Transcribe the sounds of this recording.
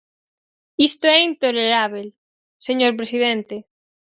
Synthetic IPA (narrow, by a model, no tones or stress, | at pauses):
ist̪oɛint̪oleɾaβel | seɲoɾp̬ɾesiðɛnt̪e